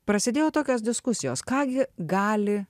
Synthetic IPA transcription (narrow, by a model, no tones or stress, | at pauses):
pɾɐsʲɪd̪ʲeːjoːt̪oːkʲoːs̬d̪ʲɪskʊsʲɪjoːskɑːɡʲɪɡɑːlʲɪ